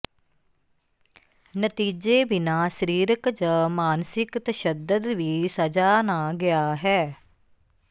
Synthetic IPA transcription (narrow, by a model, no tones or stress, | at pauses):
nət̪iːd͡ʒeːbɪnaːsəɾiːɾəkd͡ʒəmaːnsɪkt̪əʃəd̪əd̪ʋiːsəd͡ʒaːnaːɡɪaːɦɛː